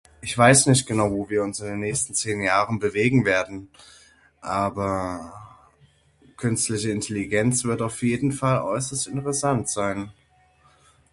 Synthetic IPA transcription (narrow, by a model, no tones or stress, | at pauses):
ʔɪçv̥aɪsnɪçt̚ɡ̥ənaʊvoːviːɐʊnsɪndeːnːɛːçstn̩t͡seːnjaːʁənbəveːɡŋ̩veːɐdn̩ | ʔaːbɐ | kʰʏnstlɪçəɪntʰɛliɡɛnt͡sv̥ɪɐtaʊfjeːdn̩falʔɔ̰ʏsɐstɪntəʁəsantz̥aɪn